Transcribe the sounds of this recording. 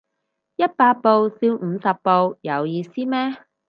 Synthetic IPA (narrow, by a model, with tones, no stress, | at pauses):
jɐ˥t̚paː˧t̚po˧wsiː˧wm̩ː˨˧sɐ˨pːo˧wjɐ˨˧wjiː˧siː˥mɛː˥